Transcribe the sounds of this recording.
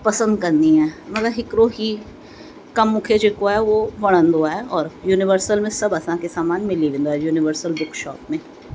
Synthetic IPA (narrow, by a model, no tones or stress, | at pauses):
pɐsə̃nd̪kɐɾniɛ̃ːmɐt̪ləbɦɪkɾoɦi | kɐmːʊkʰed͡ʒeːkoɦɛʋoʋɐɽ̃ə̃nd̪oaɦɛɔːɾjuːnɪʋəɾsəlmẽsɐbɐsãkesaːmaːnmɪliʋɪ̃nd̪ɦɛjuːnɪʋəɾsəlbʊkʃɔ̰ːpmẽ